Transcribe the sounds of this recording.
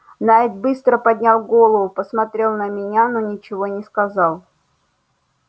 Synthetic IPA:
naɛt̪bɨst̪ɾəpɐdʲnʲalˠɡo̞lˠəvʊpəsmɐt̪ɾʲe̞lˠnəmʲɪnʲanonʲɪt͡ɕɪvonʲɪskɐzɑlˠ

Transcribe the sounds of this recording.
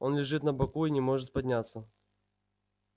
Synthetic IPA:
o̞nlʲɪʐɨt̪nəbɐkuinʲɪmo̞ʐɨt̪̚pɐdʲnʲat̪sːə

